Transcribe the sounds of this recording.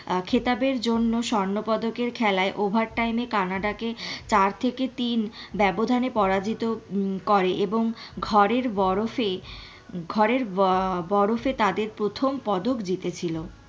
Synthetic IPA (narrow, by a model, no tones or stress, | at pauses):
kʰet̪abeɾd͡ʑonːoʃɔɾnopɔd̪okeɾkʰɛlaeʔobʱaɾʈajmekanaɖaket͡ɕaɾt̪ʰeket̪inbɛbod̪ʱanepɔɾad͡ʑit̪okɔɾeʔeboŋɡʱɔɾeɾbɔɾofe | ɡʱɔɾeɾbɔɾofet̪ad̪eɾpɾot̪ʰompɔd̪okd͡ʑit̪et͡ɕʰilo